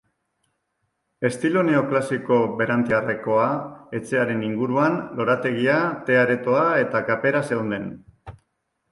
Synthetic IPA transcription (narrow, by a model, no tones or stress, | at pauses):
e̞st̪ilo̞ne̞o̞klasiko̞βe̞ɾant̪iare̞ko̞ae̞t͡se̞aɾe̞niŋɡuɾuanlo̞ɾat̪e̞ɣ̞iat̪e̞aɾe̞t̪o̞ae̞t̪akape̞ɾase̞wnd̪e̞n